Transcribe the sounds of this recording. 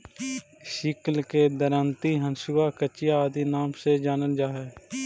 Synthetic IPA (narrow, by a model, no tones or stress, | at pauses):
ʃɪklked̪əɾant̪iɦənsuːakət͡ʃɪjaːd̪inaːmsed͡ʒaːnəld͡ʒaːɦɛː